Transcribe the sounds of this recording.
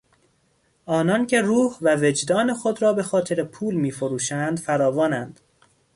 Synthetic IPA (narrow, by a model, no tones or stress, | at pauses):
ɒːnɒncʰe̞ruːhvæve̞d͡ʒd̪ɒːnexod̪ɾɒːbe̞xɒːt̪ʰeɾepʰuːlmiːfoɾuːʃænd̪̥fæɾɒːvɒːnænd̪̥